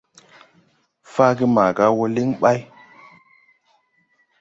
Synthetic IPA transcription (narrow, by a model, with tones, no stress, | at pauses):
fa˦ɡi˦ma˨ɡa˦wo˦li˦ŋɓa˦j